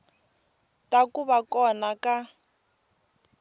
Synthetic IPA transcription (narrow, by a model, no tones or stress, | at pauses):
takuβakɔnaka